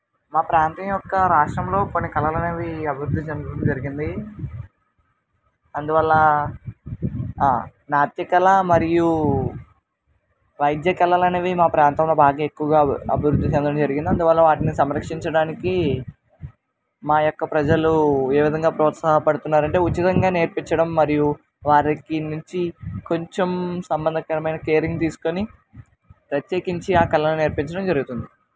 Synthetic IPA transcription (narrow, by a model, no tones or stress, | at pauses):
maːpɾaːnt̪ɐmjɔkːɐɾaːʂʈɾɐmlo̞ːkonːikɐlɐlɐneːʋiɐbʱiɾud̪ʱːit͡ʃend̪ɐnd͡ʒɐɾiɡind̪i | ɐnd̪uʋɐlːɐ | naːt̪jɐkɐlɐmɐɾiju | ʋɐjd̪jɐkɐlɐlɐneːʋimaːpɾaːnt̪ɐmlo̞ːbaːɡaːekːuʋɐɡaːɐ̰bʱiɾud̪ʱːit͡ʃend̪ɐɳnd͡ʒɐɾiɡind̪iɐnd̪uʋɐlːɐʋaːʈinisɐmɾɐkʂiɲt͡ʃɐɽaːniki | maːjɔkːɐpɾɐd͡ʒɐlue̞ːʋid̪ʱɐŋɡaːpɾɔːt̪saːɦɐpɐɽut̪unːaːɾɐɳʈe̞ːut͡ʃːit̪ɐŋɡaːne̞ːɾpiɲt͡ʃɐɽɐmːɐɾiju | ʋaːɾɐkinuɲt͡ʃiko̞ɲt͡ʃemsɐmbɐnd̪ʱɐkɐɾɐmɐjnɐkeːɾiŋɡt̪iːsu̥koni | pɾɐt̪jeːkiɲt͡ʃiaːkɛlːɐlune̞ːɾpiɲt͡ʃɐɽɐmd͡ʒɐɾuɡut̪und̪i